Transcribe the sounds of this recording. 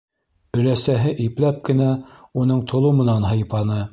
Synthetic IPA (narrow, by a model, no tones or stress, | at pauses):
ɵ̆læsæɦɘʔiplæp̚kɘ̆næunɤɴt̪ʰŏlˠɤmɤ̆nɑnɦɤ̆jpɑnɤ